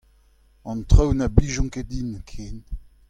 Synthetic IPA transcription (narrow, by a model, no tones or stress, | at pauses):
ɑ̃nt̪χœwnabiʒɔ̃ŋked̪inkʰeːn